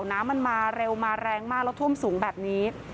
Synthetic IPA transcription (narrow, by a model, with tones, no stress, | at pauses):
wnaː˦˥mːa˧nmaː˧ɾe˧wmaː˧ɾɛː˧ŋmaː˥˩k̚lɛ˦˥wt̪ʰu˥˩ə˨msuː˩˦ŋbɛː˨˩p̚niː˦˥